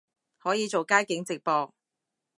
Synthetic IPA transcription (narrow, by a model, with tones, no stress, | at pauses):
hɔː˨˥jiː˨˧t͡so˨wkaː˥jkɪ˨˥ŋt͡sɪ˨k̚pɔː˧k̚